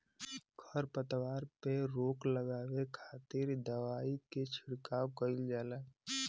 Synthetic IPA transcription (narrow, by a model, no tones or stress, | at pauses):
ɡʰʱəɾpət̪ʋaːɾpeɾoːkləɡaːwekʰaːt̪ɪɾd̪əʋaːiket͡ʃʰɪɽkaːwkəɪld͡ʒaːlaː